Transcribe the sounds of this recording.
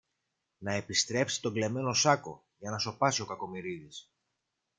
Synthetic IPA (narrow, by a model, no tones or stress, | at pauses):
nɐe̞pist̪ɾe̞psi̥t̪o̞ɡle̞me̞no̞sɐko̞̰ | ʝɐnɐso̞pɐsio̞kɐko̞miɾiðis